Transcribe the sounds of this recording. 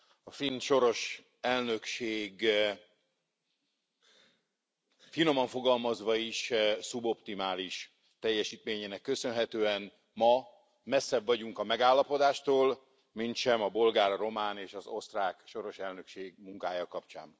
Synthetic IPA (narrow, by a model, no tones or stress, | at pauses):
ɒfinʃo̞ɾo̞ʃ | ɛlnø̞kʃeːɡ | fino̞mɒɱfo̞ɡɒlmɒzʋɒiʃsubo̞pt̪imaːliʃ | t̪ɛjːɛʃiːt̪meːɲeːnɛkːø̞sø̞nɦɛt̪øːɛn | mɒ | mɛsːɛbvɒɟuŋkɒmɛɡaːlːɒpo̞d̪aːʃt̪oːl | mint̪ʃɛmɒbo̞lɡaːrro̞maːneːʃɒzo̞st̪raːkʃo̞ɾo̞ʃɛlnø̞kʃeːɡmuŋkaːjɒkɒpt͡ʃa̰ːn